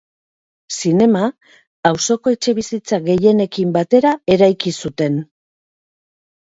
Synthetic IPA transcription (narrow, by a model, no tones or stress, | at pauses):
sine̞ma | awso̞ko̞et͡ʃe̞βisit͡saɣe̞je̞ne̞kimbat̪e̞ɾae̞ɾajkisut̪e̞n